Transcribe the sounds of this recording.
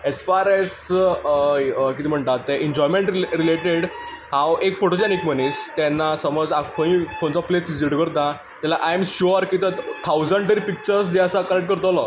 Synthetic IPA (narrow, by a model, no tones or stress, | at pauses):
esfaɾes | kit̪əm̤əɳt̪at̪ɛʔiɲd͡ʑɔjmẽɳʈɾileʈeɽ | ɦãwekfoʈod͡ʑɛnikmənist̪ɛnːasəmɔd͡zakʰoĩkʰõnt͡sɔplet͡sʋid͡ʑiʈkəɾt̪ã | t̪jalaʔajmɕuɾkit̪ət̪ʰawd͡zəɳʈ̪əɾipik̚t͡ɕəɾs̬d̪eəsakəlekʈ̚kəɾt̪ɔlɔ